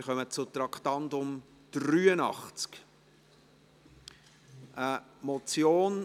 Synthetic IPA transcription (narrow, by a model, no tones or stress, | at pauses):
ɾχœmət͡sʊt̪ɾɑkχt̪ɑndʊm | d̥ɾyːənɑ̰χt͡sk | ʔəmɔt͡sjoːn